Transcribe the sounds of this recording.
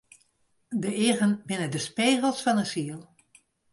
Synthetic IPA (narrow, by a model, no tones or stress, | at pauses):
dəɪɣənbɪnədəspeːɣəlˠsfɔnənsiəlˠ